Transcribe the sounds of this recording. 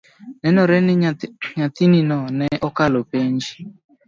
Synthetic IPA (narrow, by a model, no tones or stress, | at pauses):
nɛnɔɾɛnɲatininɔnɛʔɔkalopend͡ʒi̥